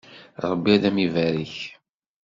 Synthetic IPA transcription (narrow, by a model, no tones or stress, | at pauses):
ɾˤəbːiælæmivæɾiç